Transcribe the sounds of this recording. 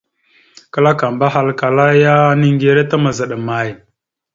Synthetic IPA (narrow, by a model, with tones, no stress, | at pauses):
kə˦la˦ka˨mba˦ɦa˦lka˨la˦ja˦ni˦ŋɡe˨ɾe˦ta˦mə˨zə˨ɗə˨ma˨j